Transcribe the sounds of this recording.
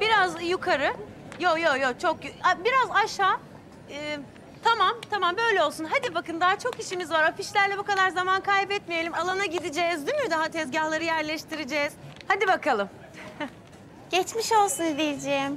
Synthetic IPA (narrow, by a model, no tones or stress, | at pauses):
b̥iɾazjukʰaɾɯ | jojojot͡ʃʰo̞kjabiɾazaʃaː | ɯː | t̪ʰamamt̪ʰamambø̞jlʲɛolˠsunɦad̪ibakɯnd̪aːat͡ʃʰo̞kiʃimizvaɾafiʃlʲæɾlʲɛbukalˠaɾzamankʰajbɛt̪mijelʲimalˠanaɟid̪id͡ʒɛːzd̪ymyɾd̪aɦat̪ʰɛzɟahlˠaɾɯjæɾlʲɛʃt̪ʰiɾed͡ʒɛːz̥had̪ibakʰalˠɯm | ɟ̥ɛt͡ʃmiʃo̞lˠsunid̪ijd͡ʒeim